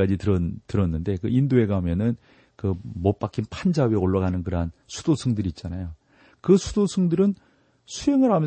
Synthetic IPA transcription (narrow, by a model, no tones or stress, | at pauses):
ad͡ʑitɯɾʌtɯɾʌnːɯnde̞kɯindoe̞ɡamjʌnɯn | kɯmop͈ak͈ʰinpʰand͡ʑawɥeoɭːaɣanɯnkɯɾɦansʰud̥osʰɯŋdɯɾiːt̚t͡ɕ͈anajo | kɯsʰu̥dosʰɯŋdɯɾɯn | sʰuɦeŋɯɾɦamjʌ